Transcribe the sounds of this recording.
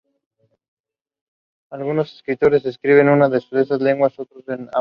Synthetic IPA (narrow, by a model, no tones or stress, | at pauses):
alɣuno̞se̥skɾit̪o̞ɾe̞seskɾiβ̞e̞nunaðesoðesazle̞ŋɡwasot̪ɾosena̰